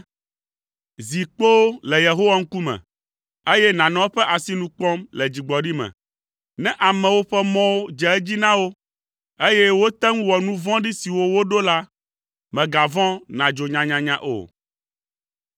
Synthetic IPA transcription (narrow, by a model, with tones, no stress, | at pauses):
zi˨k͡po˦lɛ˨je˨ɦo˦wa˦ŋ̩˦ku˦mɛ̰̃˨ | e˦jɛ˦nã˨nɔ̃˦ɸɛ˦ʔa˨si˦nũ˦k͡pɔ̃˦mlɛ˨d͡ʑi˨ɡ͡bɔ˨ɖi˦mɛ̰̃˨ | nɛ̃˦ʔa˨mɛ̃˨wo˦ɸɛ˦mɔ̃˦wo˦d͡ʒɛ˨ɛ˦d͡ʑi˦nã˦wo˦ | e˦jɛ˦wo˦t̪ɛ˦ŋ˦wɔ˨nũ˦vɔ̃˦ɖi˦si˨wo˦wo˦ɖo˦la˦ | mɛ̃˨ɡa˨vɔ̃˦nã˨d͡ʒo˨ɲã˨ɲã˨ɲã˨ʔo̰˨